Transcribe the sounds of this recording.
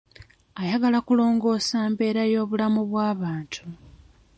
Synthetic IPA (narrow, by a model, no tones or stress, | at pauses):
ajaɡalakulo̞ːŋɡo̞ːsaːmbe̞ːɾajo̞ːβulamuβwaːβaːntʰu